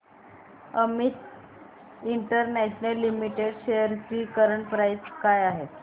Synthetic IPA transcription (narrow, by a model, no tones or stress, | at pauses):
əmit̪ | iɳʈəɾnɛɕnəlːimiʈeɽɕejəɾt͡ɕiːkəɾəɳpɾajskajaɦe